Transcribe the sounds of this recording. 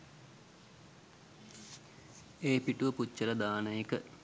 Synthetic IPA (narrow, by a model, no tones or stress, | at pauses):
eːpiʈuʋəpucːələd̪aːnəjekə